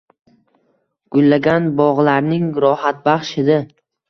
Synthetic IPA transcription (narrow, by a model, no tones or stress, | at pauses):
ɡ̥ʊlːaɡʲanbɒʁlaɾnɪŋɾɒhat̪̚baχʃɪd̪a